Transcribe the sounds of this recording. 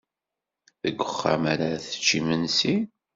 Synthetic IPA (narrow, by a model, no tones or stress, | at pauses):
ðəɡʷːəχːa̰maɾaɾθə̥t͡ʃːimənsi